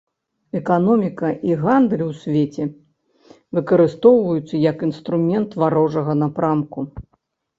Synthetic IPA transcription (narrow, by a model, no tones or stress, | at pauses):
ɛkanɔmʲikɐʔiɣand̪lʲiwsʲvʲet͡sʲɛ | vɨkɐɾɨst̪ɔwvɐjut̪sːɐjɐkinst̪ɾumʲɛnt̪vaɾɔʐɐɣɐnapɾamku